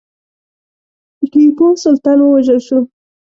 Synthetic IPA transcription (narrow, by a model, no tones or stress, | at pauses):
dəkikosʊlt̪ɑnwəwaʒəlʃu